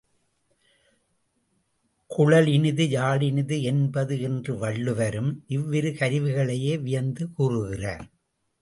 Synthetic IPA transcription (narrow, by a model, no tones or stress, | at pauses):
kʊɻɐlɪnɯðɯjaːɭɪnɪðɯɛnbɐðɯɛndrɯʋɐɭːɯʋɐɾɯmʔɪʋːɪɾɯkɐɾɪʋɯɣɐɭɐjeːʋɪjɐnd̪ɯkuːrɯɣɪrɐ̰